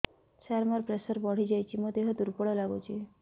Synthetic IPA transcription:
saɾmaɾpɾesɔɾbɔɽ̤id͡ʒajt͡ʃʰimod̪eɦɔd̪uɾpɔɽɔlaɡot͡ʃʰi

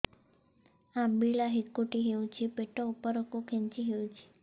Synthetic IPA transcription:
ãbiɭaɦikːoʈiɦeũt͡ʃʰipeʈoupəɾokokʰent͡ʃiɦeũt͡ʃʰi̥

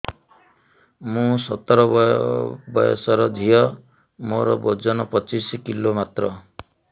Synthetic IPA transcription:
mũsɔt̪ɔɾɔ | bɔjɔ̰sɔɾɔd̪ʱijɔ | moɾɔbod͡ʒɔnɔpɔt͡ʃisikilomat̪ɾɔ

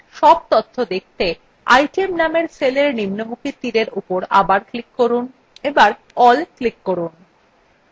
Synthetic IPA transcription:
ʃɔb̚t̪ot̪ʰːod̪ek̚ʰt̪e | a̰jʈiemnameɾseleɾnimnomukʰit̪iɾeɾʔupoɾa̰baɾklikːoɾun | ebaɾ | ɔlklikːoɾun

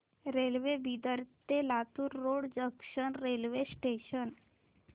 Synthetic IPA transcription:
ɾelʋebid̪əɾt̪elat̪uɾːoɽd͡ʑəkʂənɾelʋesʈeɕən

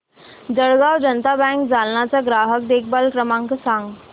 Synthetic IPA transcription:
d͡zəɽɡawd͡ʑənt̪abɛ̃ŋkd͡zʱalnat͡saɡɾaɦək̚d̪ek̚ʰbalkɾəmãŋksãŋɡ

